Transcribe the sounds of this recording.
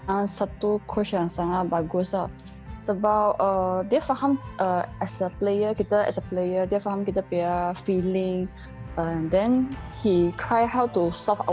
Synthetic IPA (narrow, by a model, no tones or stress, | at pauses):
ãnsatukʰɔʃãŋsãŋabaɡosa | sobawədɛfahãmʔəʔɛsəplejəkitəɛ̰səplejədɛfɔhãmkitəpɛəfilĩŋ | aɛ̃dɛ̃nhitʰɹajhawtustɔpa